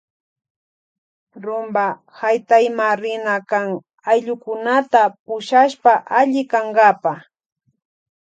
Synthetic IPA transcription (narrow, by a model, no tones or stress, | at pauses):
ɾʊmba | hajt̪ajmaɾɪnakaŋ | ajʎʊkʊnat̪apʊʃaʃpaʔaʎɪkaŋɢapa